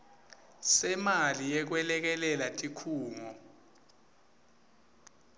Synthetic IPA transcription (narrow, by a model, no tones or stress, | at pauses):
sɛmalijɛk̬wɛlɛk̬ɛlɛlatʼikʰuːŋɔ